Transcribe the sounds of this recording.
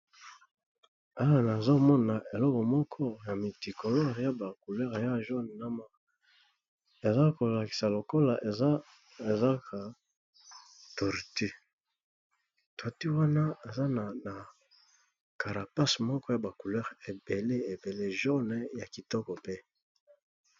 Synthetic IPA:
a˦wa˦˨na˨zo˦mɔ˦na˨ʔe˨lɔ˦kɔ˨mɔ˦kʰɔ˦ja˨mi˨ti˨ko˨lɔ˦ʁja˦ba˨ku˨lɛ˦ʁja˦ʒo˦n˨na˦ma˦ | e˨za˦ko˨la˨ki̥˨sa˨lo˨ko˦la˨ʔe˨za˦ | e˨za˦ka˨ | to˨ʁi˨ti˦ | twa˨ti˦wa˦na˦e˨za˦na˨na˨ | ka˨ɾa˨pa˦smɔ˦kɔ˦ja˨ba˨ku˨lɛ˦ʁe˨be˨le˦e˨be˨le˦ʒo˦nɛ˦ja˨ki˨tɔ˦kɔ˨pe˦

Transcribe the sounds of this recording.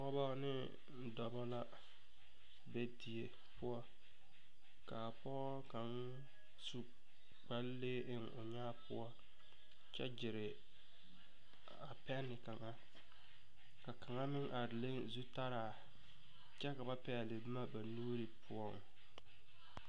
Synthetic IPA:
ɔ˦ɔ˦ba˦nɪ˦ | n̩˦dɔ˨ba˦la˦ | be˦di˨e˨ | pʊ˦ɔ˦ | ka˨pɔ˦ɣɔ˦ka˨n˦ | su˨ | k͡pa˨˦lleː˦ʔɪ˦ŋʊ˨ɲaː˦pʊ˦ɔ˦ | t͡ʃɛ̰˦d͡ʒɪ˨ɾɪ˨ | a˨pɛ˦nːɪ˨ka˨ŋa˦ | ka˨ka˨ŋa˦mɪ˦ŋʔa˨ɾɪ˨le˦nzu˦ta˦ɾaː˨ | t͡ʃɛ˦ka˨ba˦pɛ˦a˨lɪ˨bma˦ba˨nuː˦ɾɪ˨pʰʊ˦ɔ˦˨ŋ

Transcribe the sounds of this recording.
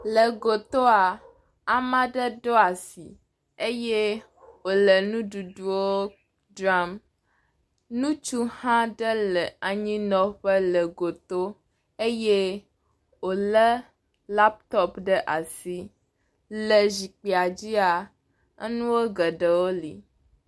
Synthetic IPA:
lə˨ɡo˨t̪o˦a˨ | a˨mã˦ɖə˦ɖo˦a˨si˨ | e˦je˦ | wo˨lə˨nũ˦ɖu˨ɖu˦wo˦ | dɾa˦m | nũ˦t͡ʃu˦hã˦ɖə˦lə˨a˨ɲĩ˦nɔ̃˦ɸə˦lə˨ɡo˨t̪o˦ | e˦je˦ | wo˨lə˦ | la˦p̚t̪ɔ˦pɖə˦ʔa˨si˦ | lə˨zi˨k͡pi˨a˨d͡ʑi˦a˨ | ə˦nũ˦wo˦ɡə˨ɖə˨wo˦lḭ˨

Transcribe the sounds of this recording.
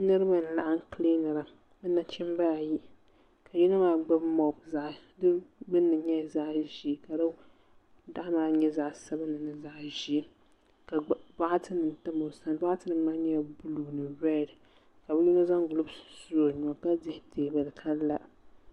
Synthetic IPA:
nɨ˦ɾɨ˦ba˨n̩˨la˦ʔa˦ŋ˦kli˦nɨ˨ɾa˨ | bɨ˦na˦t͡ʃɪ˦mba˦a˨ji˦ | kʰa˨ji˦na˦maː˦ɡ͡ba˦bmɔ˨bza˨ʔdɨ˦bɨ˦nːɨ˨ɲɛ˦˨za˦ʔʒi˦˨ka˨ɾa˦ | da˦ʔa˦maː˦ɲɛ˦za˨ʔsa˦ba˦nɨ˨nɨ˨za˨ʔʒi˦ | ka˨˦ba˦ʔa˦tʰɨ˦nɨ˨n̩˨tɨ˦mo˨sa˨n˦ba˦a˦tɨ˦nɨ˨˦maː˦ɲɛ˦˨bu˦lu˨nɨ˨jɛ˦˨ɾɨ˨ | ka˨bɨ˦ji˦no˦za˦ŋɡu˨lu˦bsu˦o˨ɲ˨ɔ˨ka˦dɪ˦hteː˨bɨ˨lɨ˨kʰa˦lːa˦

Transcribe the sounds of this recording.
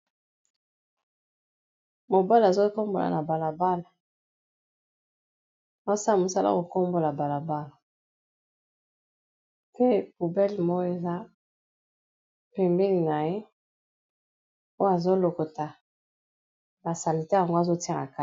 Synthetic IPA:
mo˨ba˦la˨zo˦ko˦mbo˨la̰˨na˨ba˨la˨ba˦la˨ | o˨˦sa˦˨mo˨sa˦la̰˦˨ko˨ko˦mbo˨la˨ba˨la˨ba˦la˨ | pe˦pu˨bɛ˦lmɔ˦jo˦e˨za˦ | pe˨mbe˦li˨na˨je˦ | o˦ja˨zo˦lo˨ko˨ta˨ | ba˨sa˨li˨tɛ˦ja˨ŋɡo˦a˨zo˦ti˦a˨na̰˨ka˦

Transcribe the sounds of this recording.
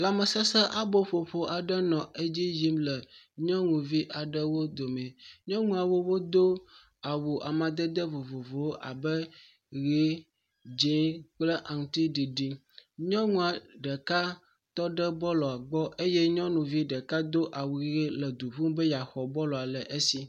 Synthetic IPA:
la˨mə˨sɛ˦sɛ˦ʔa˦bo˦ɸo˨ɸo˨ʔa˨ɖə˦nɔ̃˨ʔe˦d͡ʑi˦ji˦mlə˨ | ɲɔ̃˦ŋũ˨vi˦ʔa˨ɖə˦wo˦d̪o˨mɛ̃˨ɲɔ̃˦ŋũ˦a˨wo˦wo˦d̪o˦ | a˨wu˨ʔa˨mã˨d̪ə˦d̪ə˦vo˨vo˨vo˨wo˦ʔa˨bə˦ | ɣe˦ | d͡ʒĩ˦k͡plə˦ʔa˨ŋũ˨t̪i˦ɖi˨ɖi˨ | ɲɔ̃˦ŋũ˦a˨ɖə˨ka˦ | t̪ɔ˦ɖə˦bɔ˦lɔ˨a˨ɡ͡bɔ˦ʔe˦jɛ˦ɲɔ̃˦nũ˨vi˦ɖə˨ka˦d̪o˦ʔa˨wu˨˦e˦lə˨d̪u˨ɸu˦bə˦ja˨xɔ˨bɔ˦lɔ˨a˨lə˨ʔe˦si˦

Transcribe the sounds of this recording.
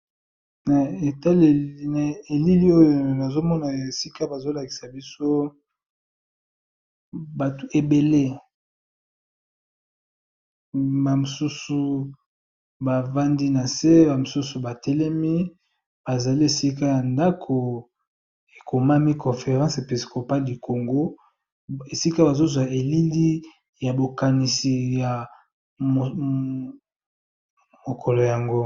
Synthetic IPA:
na˨e˨ta˦le˨˦na˨e˨li˦li˦o˦jo˨na˨zo˦mɔ˦na˨e˨si˦ka˦ba˨zo˦la˨ki̥˨sa˨bi˦so˦ | ba˨tu˨e˨be˨le˦ | ba˨mo˨su˦su˨ | ba˨va˦ndi˦na˨se˦ba˨mo˨su˦su˨ba˨tɛ˦lɛ˦mi˦ | ba˨za˨li˦e˨si˦ka˦ja˨nda˦kʰo˨ | e˨ko˨ma˦mi˦kɔ̃˨fe˨ʁɑ̃˦se˨pi˨sko˨pa˦lli˨ko˨ŋɡo˦ | e˨si˦ka˦ba˨zo˦zwa˨e˨li˦li˦ | ja˨bo˨ka˨ni˨si˨ja˨ | mo˨kʰɔ˨lo˨ja˨ŋɡo˦

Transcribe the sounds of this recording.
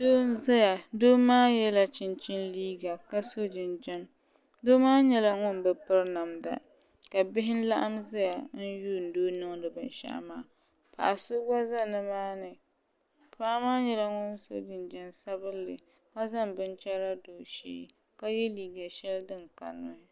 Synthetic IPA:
doː˦n˦za˦ja˨doː˦maː˦jɛ˦la˨t͡ʃɪ˦nt͡ʃɪ˦nliː˦ɡa˨ka˦so˦d͡ʒɪ˨nd͡ʒɛ˦n | doː˦maː˦ɲɛ˦la˨ŋʊ˦nbɨ˨pɨ˦ɾna˨mda̰˨ | ka˨bɪ˦ɦɪ˦n˦la˦ʔa˦mza˦ja˨n̩˦juː˦n̩˨doː˦nɨ˦ŋ˦dɨ˨bɨ˨nʃa̰˦ʔmaː˦ | pa̰˨ʔa˨sʊ˦ɡ͡ba˦za˦nɨ˨maː˦nɨ˨ | paː˦maː˦ɲɛ˦la˦ŋʊ˦nso̰˦d͡ʒɪ˨nd͡ʒɛ˦nsa˦bɨ˦lːɨ̰˨ | ka˦za˦mbɨ˦nt͡ʃɛ˦ɾa˦doː˨ʃḭ˦˨ | ka˦jɛ˦liː˦ɡa˨ʃɛ˦ldɨ˦ŋka̰˨lːʊ̰˨ɪ˦

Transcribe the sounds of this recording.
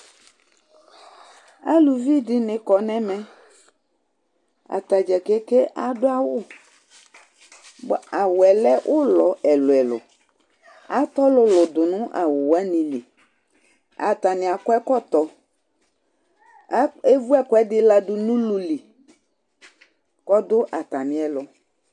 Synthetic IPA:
a˦lu˨vi˦dɪ˦nɪ̃˨kɔ˨nɛ̃˦mɛ˦ | a̰˨t̪a˨d͡ʒɛ˨kɛ˦ke˦ʔa˨dʊ˦a˦wʊ˦˨ | a˨wʊ˨ɛ˨lɛ˦ʔʊ˦lɔ˨ɛ˨lʊ˨ɛ˨lʊ̰˨ | a˨t̪ɔ˦lʊ˦lʊ˨d̪ʊ˨nʊ̃˦ʔa˨wʊ˨wa˦nĩ˨li˨ | a̰˨t̪a˨nɪ̃˨a˨kɔ˦ɛ˦kɔ˦t̪ɔ˨˦ | e˦vu˦ɛ˦kɔ˨˦ɛ˦dɪ˦la˦dʊ˨nũ˦lu˨li˨ | kɔ˦d̪ʊ˦ʔa˨t̪a˨mĩ˨ɛ˨lʊ˨

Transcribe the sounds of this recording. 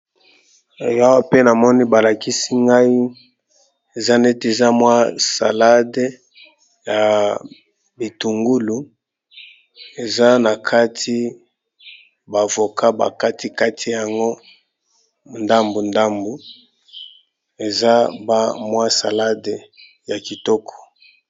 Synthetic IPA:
ja˦wa˦pe˦na˨mɔ˦ni˦ba˨la˨ki˦si˦ŋɡa˦i˦ | e˨za˦ne˦te˨za˦mwa˦sa̰˨la˦de˦ | ja˨ | bi˨tu˨ŋɡu˦lu˨ | e˨za˦na˨kʰa˦tʰi˦ | ba˨vo˨kʰa˦ba̰˨ka˦ti˦ka˦tʰi˦ja˨ŋɡo˦ | nda˦mbu˨nda˦mbu˨ | e˨za˦ba˦mwa˦sa˨la˦de˨ | ja˨ki˨tɔ˦kʰɔ̥˨

